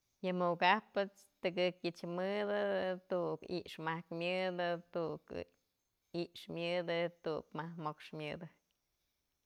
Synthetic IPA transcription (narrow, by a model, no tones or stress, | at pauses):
jɨmukapɨt͡st̪ɨkɨkjɨt͡ʃmɨd̪ɨt̪uʔkḭʔʂmahkmʲɨd̪ɨt̪uʔk | iʔʂmjɨd̪ɨt̪ukmahmokʂmʲɨd̪ɨ